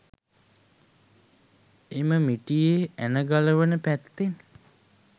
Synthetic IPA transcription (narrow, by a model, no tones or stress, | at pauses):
eməmiʈijeænəɡaləʋənəpæt̪ːen